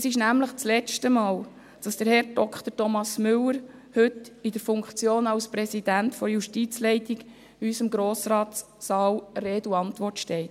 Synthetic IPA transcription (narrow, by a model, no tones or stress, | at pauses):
ɛsɪʃnæmləχt͡slɛt͡ʃtəmɑːl | d̥ɑsd̥əɾhɛɾd̥ɔkʰt̪əɾtɔmɑsmʏlːəɾ | hɵtidəɾfʊŋkt͡sjoːnɑlspɾɛsid̥æntfɔɾjuʃtit͡slɛɪtiɡ | ysəmɡɾoːsɾɑːtː | ɑːwɾeːduɑntʋɔrtʃtɛɪt